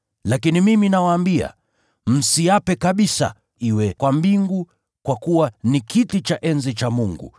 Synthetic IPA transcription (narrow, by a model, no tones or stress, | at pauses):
lakinimiminawaːmbia̰ | m̩siapɛkaɓisa̰ | iwɛkwambiŋɡu | kwakuwanikitit͡ʃaʔɛnzit͡ʃamuŋɡṵ